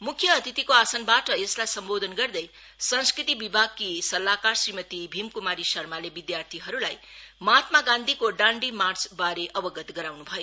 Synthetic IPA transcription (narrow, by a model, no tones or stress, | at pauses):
mukʰːjʌːt̪ʰit̪ikoasʌnbaʈʌeslajsʌmbod̪ʱʌnɡʌrd̪ʌj | sʌ̃nskrit̪ibibʱaɡkisʌlːakarsrimʌt̪ibʱimkumaɾisʌrmalebid̪jart̪ʰiɦʌɾulajmat̪maɡãnd̪ʱikoɖãɳɖimart͡sbaɾeʔʌbʌɡʌt̪ɡʌɾawnubʱʌjo